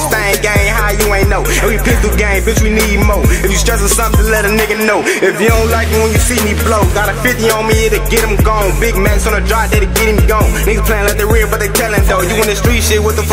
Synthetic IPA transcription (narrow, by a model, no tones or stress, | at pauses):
sæ̃ɪ̃ŋɡẽɪ̃ŋɦaʊjɨẽɪ̃nːoʊɨ̃nwipʰɪk̚ðəɡẽɪ̃mbɪswinidmoʊɨfjɨstʌsə̃nsʌ̃mtɨlɛɾɨ̃mnɪɡɨ̃nnoʊɨfiõʊ̃nlaɪkɪ̃ŋwə̃njɨsimibloʊɡɑɾɨfɪt̚iə̃nmiɪ̃ɾɨɡɛɾɨ̃mɡɔ̃nbɪɡ̚mæksn̩ɨdɹaɪdeɪɾɨɡɛɾɨ̃mɡõʊ̃nniəpʰl̥æ̃nlaɪt̪̚ðəɪɹɪbʌt̪̚ðetʰɛlˠɪ̃mðoʊjɨwʌ̃nspɹ̥iʃeɪt̚wʌt̪ðəf